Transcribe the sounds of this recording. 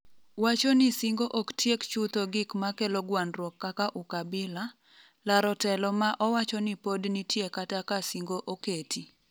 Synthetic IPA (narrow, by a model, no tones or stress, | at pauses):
wat͡ʃɔnɪsiŋɡoʔoktʰjekt͡ʃut̪oɡɪkmakɛlɔɡwanɾwɔkːakaʔukabɪla | laɾɔtɛlɔmaʔɔwat͡ʃɔnɪpodnitjekatakasiŋɡoʔoketʰi